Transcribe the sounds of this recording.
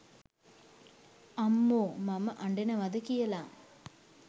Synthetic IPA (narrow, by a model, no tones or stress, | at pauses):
amːoːmaməʔaɳɖenəʋɐd̪əkijəlaːm